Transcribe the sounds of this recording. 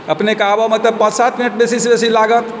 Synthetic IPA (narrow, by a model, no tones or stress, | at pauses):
əpnekabəmet̪epəd͡ʒsat̪̚ʰminəʈ̚besisebesilaɡət̪